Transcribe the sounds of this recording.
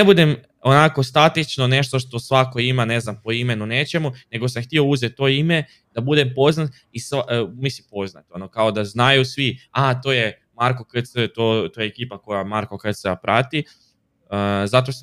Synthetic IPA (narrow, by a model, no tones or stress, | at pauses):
ebud̪em | onako̞st̪at̪it͡ʃno̞ne̞ʃt̪oʃt̪o̞sʋako̞imane̞znampo̞ime̞nune̞t͡ʃe̞mune̞ɡo̞s̬amxt̪iouzet̪ːo̞ime̞ | d̪̥abud̪e̞mpo̞znat̪ | isamisimpo̞zna̰t̪o̞nokao̞d̪aznajusʋiat̪o̞je | maɾko̞kəsət̪ot̪ojeekiːpako̞jamaɾko̞kt̪sapɾʔat̪i | əzat̪̬os